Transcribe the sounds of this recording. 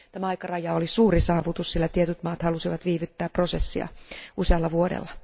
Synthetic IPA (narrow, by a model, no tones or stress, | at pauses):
t̪æmæɑikɑrɑjɑolisuːrisɑːʋut̪ussilːæt̪iet̪yt̪mɑːt̪hɑlusiʋɑt̪ʋiːʋyt̪ːæːpprosesːiɑ̰useɑlːɑʋuodḛlːɑ